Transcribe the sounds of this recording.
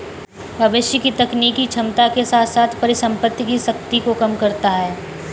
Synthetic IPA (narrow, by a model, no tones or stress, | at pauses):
bʱɐʋɪʃjəkit̪ɐkniːkit͡ʃʰɐmt̪akesaːt̪ʰsaːt̪ʰpɐɾɪsɐ̃mpət̪ːkisɐk̚t̪ikokɐmkɐɾt̪aɦɛː